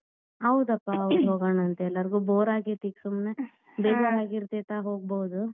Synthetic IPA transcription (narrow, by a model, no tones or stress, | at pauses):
ɐwd̪ɐpːaɐwd̪ɦoːɡoɳɐnt̪eɛlːɐɾiɡuːboːɾaːɡit̪iksumne | beːɡoɾaːɡiɾt̪iːt̪aːɦoːɡbowud̪u